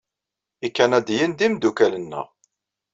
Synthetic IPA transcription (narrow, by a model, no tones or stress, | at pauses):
ikːænæd̪jənd̪imd̪ukælənːæ̰